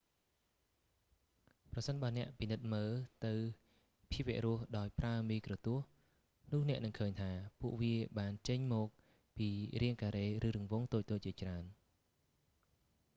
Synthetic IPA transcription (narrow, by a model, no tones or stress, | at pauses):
prɑsənɓaənɛ̆əʔpinɨt̪̚məːt̪ɨw | pʰiəp̚ʋɛ̆əʔrʊəhɗaɔjpraəmiːkrɔt̪uəh | nʊ̆əhnɛ̆əʔnɨŋkʰəːɲt̪ʰaːpuəʔʋiəɓaːnt͡ɕəɲmɔːk̚ | piːriəŋkaːɾeːrɨːɾɨ̆əŋʋoːŋt̪oːc̚t̪oːc̚t͡ɕiət͡ɕraən